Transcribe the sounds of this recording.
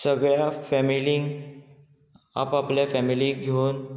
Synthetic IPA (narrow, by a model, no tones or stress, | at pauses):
səɡɭjafæmilĩːŋɡ | a̰papljafæmiliɡʱeun